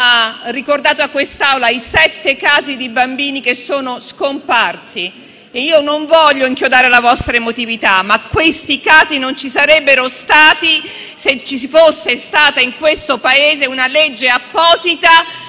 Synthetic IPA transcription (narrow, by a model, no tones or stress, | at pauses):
arːikord̪aːt̪oakːwest̪awlaisɛt̪ːekaːzid̪ibambiːnikesːoːnoskomparsi | eiːonoɱvɔʎːoiŋkjod̪aːɾelavɔst̪ɾaemot̪ivit̪amakːwest̪ikaːzinont͡ʃisaɾɛbːeɾost̪aːt̪i | set͡ʃːisifosːest̪aːt̪aiŋkwest̪opaeːzeunalɛd͡ʒːeapːɔːzit̪a